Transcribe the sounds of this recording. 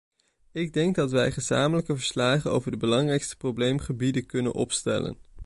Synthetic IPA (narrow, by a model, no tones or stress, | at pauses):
ɪɡ̚dɛŋɡ̚dɑtʋɛjχəza̰ːmələkəvəɹslaːχəno̰wvəɹdəbəlɑŋrɛjkstə̥prowblejmχəbidəkɵnə̰nʔɔ̰pstɛ̰lə̰n